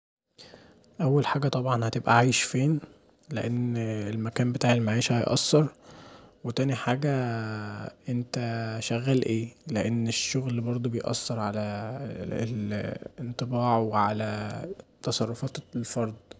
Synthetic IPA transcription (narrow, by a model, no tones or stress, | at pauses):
ʔæwːælħaːɡæt̪ˤɑbʕɑnhæt̪ebʔæʕajeʃfeːn | leʔenːelmækæːmbet̪aːʕelmaʕiːʃhɑjʔɑ̰sːɑɾˤ | wet̪æːniħaːɡæ | ʔent̪æʃæɣːæːlʔeːleʔenːeʃːoɣlbɑɾˤd̪ˤobejʔɑ̰sːɑɾˤʕalæ̰ | ent̪ˤebɑːʕweʕalæt̪ɑsˤɑrˤːofɑːt̪lfɑɾˤd̪ˤ